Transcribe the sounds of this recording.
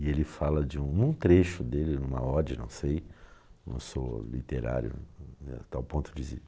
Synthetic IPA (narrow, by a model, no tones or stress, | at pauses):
ɪelɪfalɐd͡ʒɪũnũt̪ɾeʃʊd̪elɪnũmɐ̰ɔd͡ʒɐnɐ̰̃w̃sejnɐ̰̃w̃solḭt̪eɾa̰ɾjʊ̰a̰t̪awpõnt̪ʊd͡ʒizḛ